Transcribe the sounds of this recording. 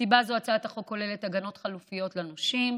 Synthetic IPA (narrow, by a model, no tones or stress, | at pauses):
sibazoat͡sat̪aχokːo̞lele̞taɡano̞tχalufijo̞tlanoʃim